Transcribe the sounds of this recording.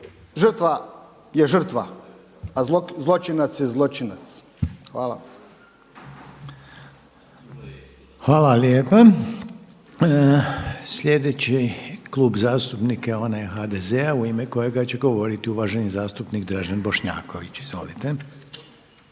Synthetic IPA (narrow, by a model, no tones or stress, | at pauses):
ʒərt̪ʋa | jeʒər̩t̪ʋa | azozlˠot͡ʃinat̪sjezlˠot͡ʃinat̪s | xʋa̰ːla̰ | xʋaːlaljeːpa | sʎʲe̞d̪e̞t͡ɕikluːbzaːst̪upnikeo̞najexaːd̪ezeauimeko̞je̞ɡat͡ɕe̞ɡo̞ʋo̞ɾit̪iuʋaːʒe̞nizaːst̪upnikd̪ɾaʒanbo̞ʃɲa̰ːko̞ʋit͡ɕizʋo̞̰lit̪e̞